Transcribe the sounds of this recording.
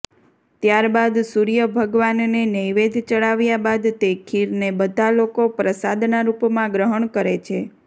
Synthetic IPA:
t̪jaɾbad̪suɾijəbʱəɡʋanːenəjʋed̪ʱt͡ʃəɭaʋjabad̪t̪ekʰiɾnebəd̪ʱalokopɾəsad̪naɾupmãɡɾəɦəɳkəɾet͡ʃʰe

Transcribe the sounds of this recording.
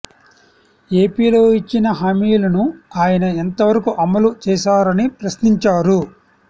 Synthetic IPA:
e̞ːpiːlo̞ːit͡ʃːinɐɦaːmiːlɐnuaːjɐnɐent̪ɐʋɐɾɐkuʔɐmːɐlut͡ʃɛːʃaːɾɐnipɾɐsniɲt͡ʃaːɾu

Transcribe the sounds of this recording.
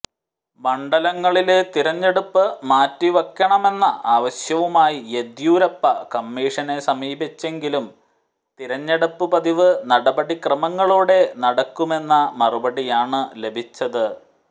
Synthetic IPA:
mɐɳɖɐlɐŋːɐɭilt̪iɾɐɲːeɽupːɨmaːtːiʋɐkːɐɳɐme̞nːɐʔaːʋɐɕjɐʋumaːjied̪juːɾɐpːɐkɐmːiːʂɐne̞sɐmiːbit͡ɕːe̞ŋɡilum | t̪iɾɐɲːeɽɐpːɨpɐðiʋɨnɐɽɐbɐɽikrɐmɐŋːɐɭuːɽe̞nɐɽɐkːume̞nːɐmɐrubɐɽijaːɳɨle̞bʱit͡ɕːɐðɨ

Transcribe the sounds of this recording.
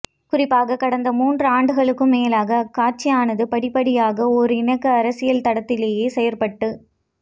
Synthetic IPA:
kʊrɪpːaːɣɐkɐɽɐnd̪ɐmuːndrɯaːɳɖɯɣɐɭɯkːɯmːeːlaːɣɐkaːt͡ʃːɪjaːnɐðɯpɐɽɪpːɐɽɪjaːɣɐɔɾɯɪɳɐkːɯɐɾɐsɪjɐlt̪ɐɽɐt̪ːɪleːjeːsɛjɐɾpɐʈːɯ

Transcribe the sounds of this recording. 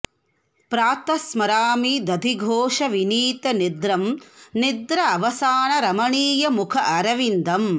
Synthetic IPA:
pɾaːt̪ɐsmɐɾaːmid̪ɐd̪ʱiɡʱoːʂɐʋiniːt̪ɐnid̪ɾɐmnid̪ɾɐːʋɐsaːɳɐɾɐmɐɳiːjɐmukʰɐʔɐɾɐʋind̪ɐm

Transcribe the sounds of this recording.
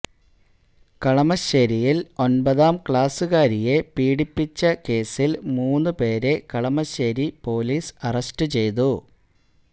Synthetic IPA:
kɐɭɐmɐɕɐɾijilo̞nbɐðaːmkɭaːsɨɣaːɾije̞piːɽipːit͡ɕːɐke̞ːsilmuːnːɨpe̞ːɾe̞kɐɭɐmɐɕɐɾipo̞ːliːsɐrɐsʈɨt͡ɕe̞jt̪̬u

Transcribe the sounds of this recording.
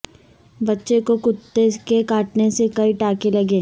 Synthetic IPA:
bɐtːʃekokʊt̪ːekekaːʈnesekɐiʈaːkelɐɡeː

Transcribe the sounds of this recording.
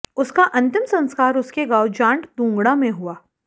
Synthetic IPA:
ʊskaʔɐ̃nt̪ɪmsɐ̃nskaːɾʊskeɡaːʊd͡ʒãːɳʈd̪ũːŋɡɽamẽɦuaː

